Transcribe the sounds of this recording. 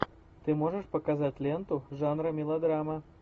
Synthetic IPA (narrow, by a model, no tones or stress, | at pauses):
t̪ɨmoʐəʂpɐkazatʲlʲent̪ʊʐanɾɐmʲilˠɐd̪ɾamɐ